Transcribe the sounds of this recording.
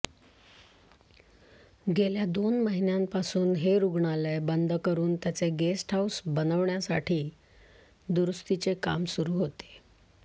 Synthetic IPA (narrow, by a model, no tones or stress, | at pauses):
ɡeljad̪onməɦinjãmpasuːnɦeɾuɡɳalebənd̪ʱkəɾuːnt̪jat͡seɡesʈɦawsbənəʋɳjasaʈʰiː | d̪uɾust̪it͡seka̰msuɾuːɦot̪e̥